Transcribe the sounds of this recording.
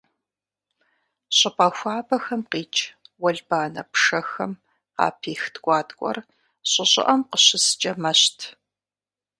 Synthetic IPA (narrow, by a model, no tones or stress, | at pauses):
ɕʼɪpɐxʷɑːbɐxɐmqiːt͡ʃʼwɐɮbaːnɐ̰pʂɐxɐm | qɑ̰ːpʰiːxtʰkʷʼɑːtʼkʷʼɔ̰r | ɕʼɪɕʼɪ̰ʔɐmqəɕɪst͡ʃʼɐmɐɕtʰ